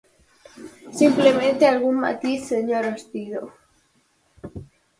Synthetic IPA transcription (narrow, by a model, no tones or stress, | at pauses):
simplemẽnt̪ealɣunma̰t̪iseɲoɾost̪iðo